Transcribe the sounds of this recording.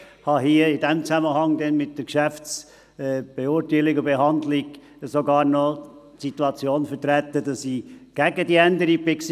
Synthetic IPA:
hɑɦiəɪdɛmt͡sæməhɑŋd̪ɛnmɪt̚d̥əɾkʃæft͡sː | b̥eʊtaɪlɪɡʊbehɑnd̪lɪɡ | soɡɑːɾnɔtsit̪uɑt͡sjoːnfətɾæt̪ədɑsiɡ̥æɡədiændəɾipɪks

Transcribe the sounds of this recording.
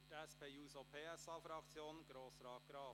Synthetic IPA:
tɛspʰeːjuːsopʰeːɛsɑːfɾɑkt͡sjoːnɡ̥ɾoːsɾɑːt̚ɡ̥ɾɑː

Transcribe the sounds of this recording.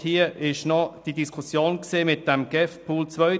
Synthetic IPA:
hiəʔɪʃnɔd̥idiskʰʊsjoːnkseːmɪt̚d̥ɛmɡ̥ɛfpʰuːlt͡svœʏ

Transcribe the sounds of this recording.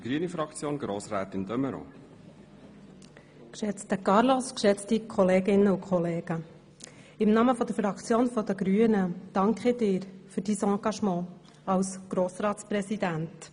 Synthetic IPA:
dɡ̥ɾyənifɾɑkt͡sjoːnɡɾoːsɾɛːt̪ɪnd̪œməɾo̰ | kʃɛt͡stəkɑɾlɔskʃɛt͡stikʰɔleːɡɪnːəukʰχɔleːɡ̥ə | ɪmnɑːməfɔd̪əɾfɾɑkt͡sjoːnfɔd̥̪əɡɾyːənəd̥ɑŋkχɪdɪːɾfyɾd̥iːsɑ̃ːɡ̥ɑʃmɑ̃ː | ɑlsɡ̥ɾoːsɾɑːtt͡spɾɛsidænt

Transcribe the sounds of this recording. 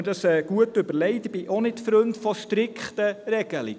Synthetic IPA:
ədɑsɛːɡ̥uətʏbəɾlɛɪtɪbiʔonɪtfɾɵntfɔʃtɾɪkχtəɾɛɡ̥əlḭ

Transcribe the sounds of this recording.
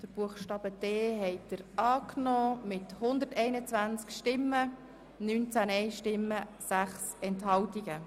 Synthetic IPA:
d̥əɾb̥uəχʃtɑːb̥ədeːɦɛɪd̥̪əɾʔɑːknɔːmɪt̪hʊnd̪əɾtɛɪnət͡svænt͡skʃtɪmːə | nyːnt͡sæːnɛɪʃtɪmːəsæχsɛnthɑltiɡə

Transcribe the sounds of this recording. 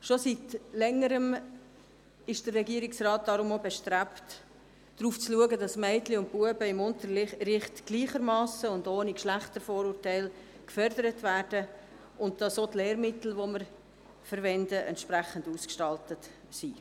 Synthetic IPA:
ʃositlɛŋːəɾəm | ɪʃd̥ərrɛɡiəɾɪksrɑːt̚d̥ɑɾʊmobɛʃtræpt | d̥ɾuːft͡sluəɡədɑsmɛɪtliʊnt̚puəbəɪmʊntəɾɾɪχtɡ̥liːχəɾmɑːsəʊndoːnikʃlæχtəɾfoːɾuːrtæɪl | kfœɾdəɾətvæːrd̥ə | ʊnt̚d̥ɑsotleːɾmɪtl̩ʋoməɾ | fəɾʋɛndəʔɛ̰ntʃpɾæχənduːskʃtɑltət | si

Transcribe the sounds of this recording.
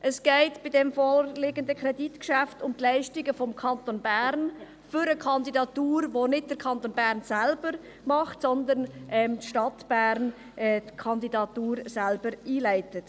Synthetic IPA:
ʔəsɡ̥ɛɪtb̥ɪdɛmfoːrlɪɡəndəkʰɾɛditkʃæftʊmtlɛɪʃtɪɡəfɔmkʰɑnt̪onbæɾn | fʏɾəkʰɑndidɑtuːɾʋonɪd̚d̥əɾkʰɑnt̪onbæːɾnsælbəɾ | mɑχtsɔnd̪ənʔɛmtʃtɑtb̥æːɾn | ɛtkʰɑnd̪idɑtuːɾsælbəɾiːlæɪtət

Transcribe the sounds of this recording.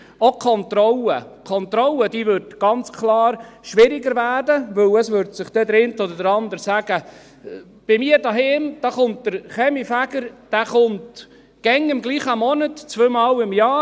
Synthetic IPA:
okʰɔntrɔləkʰɔnt̪ɾɔləd̥iːʋʏɾdɡ̥ɑnt͡skʰlɑːɾʃʋɪɾɪɡəɾvæːdəvɵwəsvʏɾdsɪχd̥ɛd̪ɾɪntɔdəɾdəɾɑnd̪əɾsæɡ̥ə | b̥ɪmiːəɾdɑɦɪːmd̥ɑːχʊnt̚d̪̥əɾχɛmifæɡ̥əɾd̥æːχʊnt | ɡ̥ɛŋɪmɡliːχəmɔnətt͡svøːmɑːlɪmjɑː

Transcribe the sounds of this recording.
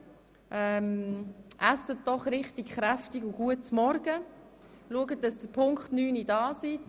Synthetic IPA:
ʔɛmʔasət̚d̥ɔχɾɪχtikχɾæftiɡʊɡuət̚t͡smɔɾɡ̥ə | luəɡətdɑsd̥əpʰʊŋkχtnyːnidɑːsi

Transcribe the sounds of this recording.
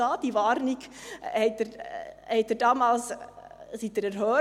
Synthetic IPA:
ɑːd̥̪iʋɑːɾniɡhɛtːəɾhɛtdəɾdɑːmɑːls | sit̪̚ːəɾɛɾhœː

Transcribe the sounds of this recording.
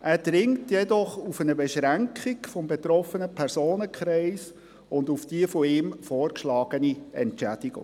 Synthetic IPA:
ʔæːɾd̥ɾɪŋtjɛd̪ɔχufənəbɛʃɾæŋkχiɡfɔmbet̪ɾɔfənəpʰɛɾsoːnəkχɾɛɪs | ʊndufd̥iəfɔɪːmfɔːrkʃlɑːɡ̥əniɛ̰ntt͡ʃæd̥iɡ̥ʊ̰ŋ

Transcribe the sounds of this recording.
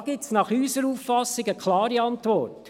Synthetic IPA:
ɡ̥ɪp̚tsnɑχyːsəɾuːffɑsːɪɡəkʰlɑːɾiɑntʋɔrt

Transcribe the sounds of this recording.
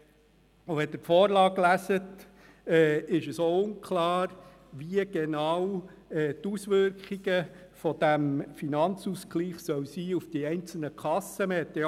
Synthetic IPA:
uʋɛdətfɔːɾlɑːɡlæsət | ɛːɪʃəsoʊŋkʰlɑːɾ | ʋiəɡ̥eɛnɑwɛːt̪usʋʏɾkχiɡəfɔd̪̥æmfinɑnt͡suskliːχsœwsiːufd̥iɛɪnt͡sl̩nəkʰχɑsəməhɛt̪ːe

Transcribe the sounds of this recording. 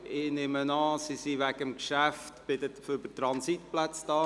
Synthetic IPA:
ɪnɪmənɑːsisiʋæɡəmkʃæftb̥ɪdətəføbətɾɑnsitplæt͡sd̥ɑː

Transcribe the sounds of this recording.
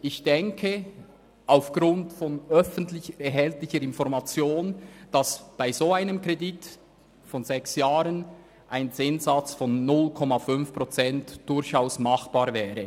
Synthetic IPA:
ʔɪçd̥ɛŋkʰə | ʔaʊfɡ̥ʁʊntfɔnœfən̩tlɪçəɛɦɛltlɪçəɾɪnfɔɾmat͡sjoːnd̥ɑsb̥aɪzoːaɪnəmkʁedit | fɔnzɛksjaːɾən | ʔaɪnt͡sɪnzat͡sfɔnːʊlkʰɔmafʏnfpʁ̥ɔt͡sɛntd̥ʊɾçaʊsmɑχb̥aːɾvɛːɾə

